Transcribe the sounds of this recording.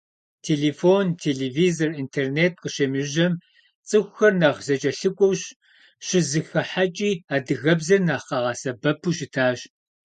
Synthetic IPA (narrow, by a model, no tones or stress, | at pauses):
tʰeːleːfoːntʰeːleːvizorintʰerneːt̚qəʃeːmɨʒɐm | t͡sʼɨxʷxɐrnɐʁzɐt͡ʃʼɐɬɨkʷʼɔwɕ | ɕɪzɨxɐħat͡ʃʼiːaːdɨɣɐbzɐrnaːqɑʁɑsɐbɐpʰuʃɪtʰaːɕ